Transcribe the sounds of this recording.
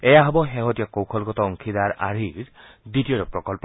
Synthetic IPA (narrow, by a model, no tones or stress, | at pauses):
ɛjaɦɔbɔɦɛɦɔtijɔkowkʰɔlɡɔtɔɔŋkʰidaɹʔa̰ɹiɹ | ditijɔɾɔpɹɔkɔlpɔ